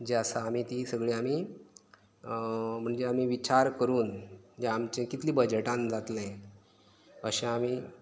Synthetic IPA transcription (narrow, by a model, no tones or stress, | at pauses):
d͡ʑəsaːmiːt̪isəɡɭiamiː | m̤əɳd͡zeamiːʋit͡ɕaɾkəɾuːnd͡ʑeamt͡ɕẽkit̪liːbəd͡ʑeʈãnd͡zat̪lẽ | əɕẽamiː